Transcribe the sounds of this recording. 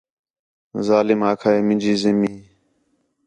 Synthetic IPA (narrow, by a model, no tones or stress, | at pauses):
zaːlɪmaːkʰaːeːmɪ̃nʲd͡ʒiːzɪmĩː